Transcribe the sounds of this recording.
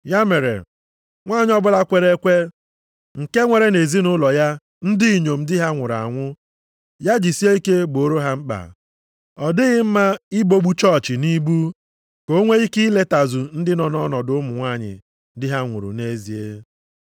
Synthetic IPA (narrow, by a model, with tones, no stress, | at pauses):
ja˦me˨ɾḛ˨ | ŋʷaː˦˨ɲɪ˦ɔ˦bʊ˦la˦kʷe˨ɾe˦kʷe˦ | ŋ̩˨ke˦ŋʷe˨ɾe˦ne˨zi˦nʊ˦lɔ˨ja˦ | n̩˦di˦˨ɲo˨m̩˦dɪ˦ɦa˦ŋʷʊ˨ɾa̰˨ŋʷʊ˦ | ja˦d͡ʒi˨si˦e˦i˦ke˦ɡ͡bo˨ɾo˦ɦa˦ŋ͡m̩˦k͡pa̰˨ | ɔ˨dɪ˦ɣɪ˦m̩˦ma˦ɪ˦bo˦ɡ͡bu˦t͡ʃɔ˦˨t͡ʃɪ˨ni˦bu˦ | ko˦ŋʷe˦i˦ki˦le˦ta˨zu˨n̩˦dɪ˦nɔ˨nɔ˦nɔ˨dʊ˨˦mʊ˨ŋʷa˦˨ɲɪ̰˨ | dɪ˦ɦa˦ŋʷʊ̰˨ɾṵ˨ne˦zi˨e˦